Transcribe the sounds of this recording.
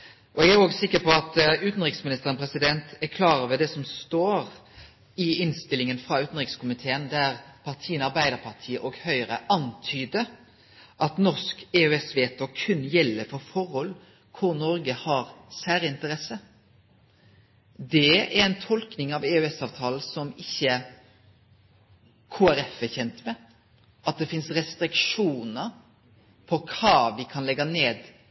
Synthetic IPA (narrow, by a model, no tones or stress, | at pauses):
ʔɔɛɡæɾoːɡsɪkːəpɔɑt̪ʉːt̪n̩ʁɪksmɪnɪst̪əʁənpɾɛsɪd̪ɛnt̪ækʰlɑːɾəɾʋɛd̪ɛsɔmst̪oːɾ | ɪɪnst̪ɪlːɪŋənfʁɑʉːt̪n̩ʁɪkskʰʊmɪt̪ʰeːənd̪æʁpʰɑʁt̪ʰiːənəɑɾbæɪd̪əʁpʰɑʁt̪ʰiːəʔɔɡhœʏʁəʔɑnt̪ʰyːd̪ə | ʔɑt̪nɔʁskeːʉɛsʋeːt̪ʰoːkʰʉnjɛlːəfɔɾfɔʁhɔl | kʰʊɾnɔɾɡəhɑɾsæːɾəɪnt̪əɾɛsə | d̪ɛæɾɛɪnt̪ʰɔlknɪŋɑʋeʉɛsɑːʋt̪ʰɑːl̩sɔmɪçːə | kʰoːæɾɛfəçɛnt̪mɛ | ʔɑt̪̚d̪ɛfɪnsʁɛst̪ɾɪkʂuːnəɾ | pʰɔkʰɑːʋɪkʰɑnlɛɡːɑneːd̪